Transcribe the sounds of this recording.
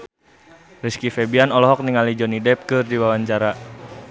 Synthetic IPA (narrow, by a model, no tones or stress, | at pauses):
riskifɛbianɔlɔɦɔk̚niŋalid͡ʒɔnidɛp̚kɨrdiwawaɲt͡ʃaɾa